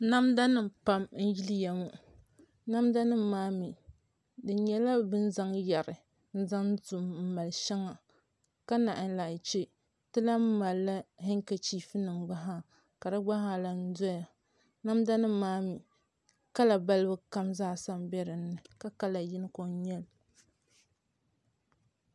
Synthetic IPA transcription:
na˦mda˦nɨ˨mpa˦mn̩˦ji˦li˦ja˨mo˦ | na˦mda˦nɨ˦m˦maː˦mi˨ | dɨ˨˦ɲɛ˦la˦bɨ˦n̩˦za˦ŋja˨ɾɨ˨ | n̩˦za˦ŋzu˨mm̩˦˨ma˨lʃɛ˦ŋa˨ | ka˦na˨ʔɪ˦n˦la˨t͡ʃe˦ | tɨ˦la˦m̩˦ma˨lːa˦ɦɪ˦ŋka˨t͡ʃiː˦fɨ˦nɨ˨mɡ͡ba˦ɦa˦ | ka˨dɨ˦ɡ͡ba˦ɦa˦˨la˨n̩˦dɔ˦ja˨ | na˦mda˦nɨ˦maː˦mi˨ | ka˦la˨ba˦lɨ˦bɨ˦ka˦mzaː˦˨sa˦mbɛ˦ɾɨ˨nːɨ˨ka˦ka˦la˨ji˦n˦ko˨˦ɲɛ˦l

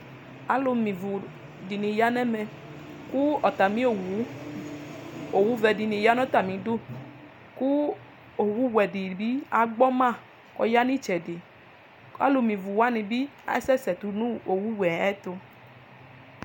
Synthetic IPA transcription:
a˨lo˧mĩ˨vu˨ | di˨nĩ˨ja˦nɛ˦mɛ̃˨ | ku˦ɔ˨t̪a˨mĩ˦o˨wu˨˦ | o˨wu˦vɛ˨di˨nĩ˨ja˨˦nɔ̃˦t̪a˨mĩ˨˦do˦ | ku˦ | o˨wu˦wɛ˨di˨bi˦a˨ɡ͡bɔ˦mã˦˨ | kɔ̰˨ja˦nĩ˦t͡ʃɛ˨di˨ | a̰˨˦lo˧mĩ˨vu˨wa˦nĩ˨bi˦a̰˨˦sɛ˦sɛ˨t̪u˨nũ˦o˨wu˦wɛ˨ɛ˦t̪o˧

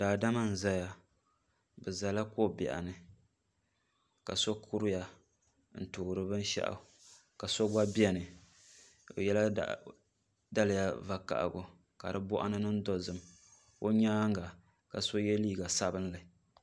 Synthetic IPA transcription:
daː˨da˦ma˦n̩˨za˦ja˦ | bɨ˨za˨la˦ko˦bɛ̰˨ʔa̰˨nɨ˨ | ka˨so˦kʰu˦ɾʊ˦ja˨ | n̩˨tʊː˨ɾɨ˦bɨ˦n˦ʃa̰˦ʔa̰˨ | ka˨so˦ɡ͡ba˦bi˦a˨nɨ˨ | o̰˨jɛ˦la̰˦ | da˦lɨ˨ja˨va˨ka̰˨ʔɡʊ˨ | ka̰˨dɨ˦bɔ˦ʔa̰˦nɨ˦nɨ˦n̩˦dɔ˦zɨ˨m | o˦ɲaː˦ŋ˦ɡa˨ | ka˨so˦jɛ˦liː˦˨ɡa˨sa˦bɨ˦n˦lɨ˨

